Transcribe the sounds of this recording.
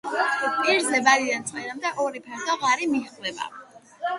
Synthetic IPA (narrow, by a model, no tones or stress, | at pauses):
pʼiɾzɛbad̪id̪ant̪sʼqʼɛɾamd̪aʔɔɾipʰɛɾd̪ɔʁaɾimiχlɛba̰